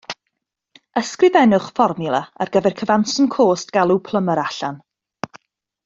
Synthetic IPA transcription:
əskrɪvɛnʊχfɔrmʊlˠəarɡəvɛrkʰəvansəmkʰoːstɡ̥alˠupʰlˠəməɾaɬan

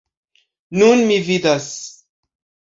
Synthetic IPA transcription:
nunmividas

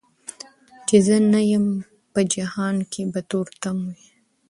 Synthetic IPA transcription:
t͡ʃezənajəm | pəd͡ʒahɑːnkʰebat̪oɾt̪amui

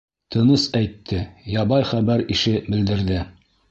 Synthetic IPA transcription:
t̪ʰɤ̆nɤsæjt̪ʰːɘjɑbɑjχæbæɾiʃɘbɘ̆ld̪ɘ̆ɾðɘ

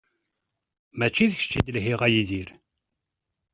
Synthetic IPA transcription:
mæt͡ʃːiðçə̥t͡ʃːid̪əlɦiʁæjiðiɾ

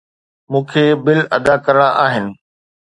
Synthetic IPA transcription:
mũːkʰeːbɪlɐd̪akɐɾəɽ̃ãʔaːɦɪnɪ̆

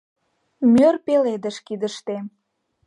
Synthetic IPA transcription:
mørpeled̪əʃkid̪əʃt̪em

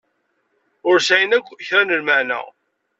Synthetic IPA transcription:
ʊɾsæjənækʷːçɾænəlməʕnə̰

